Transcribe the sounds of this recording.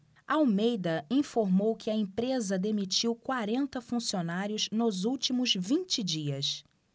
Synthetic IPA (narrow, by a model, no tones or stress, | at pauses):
ɐawmejd̪ɐĩfoɾmowkɪɐẽpɾezɐd̪emit͡ʃiwkwaɾẽnt̪ɐfũsionaɾjʊznʊzuwt͡ʃimʊzvĩnt͡ʃɪd͡ʒiɐs